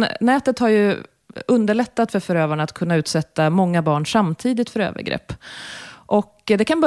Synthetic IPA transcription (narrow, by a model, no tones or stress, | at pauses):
nɛːt̪ət̪haɾjɵ | ɵnd̪əɭɛt̪ːat̪fœɾfœɾøːvaɳaat̪kʰɵnːaʉ̟ːt̪sɛt̪ːamɔŋːabɑːɳʂamːt̪ʰiːd̪ɪt̪fœɾø̰ːvə̰ɾɡɾɛ̰pː | ʔɔkd̪ɛkʰanbœ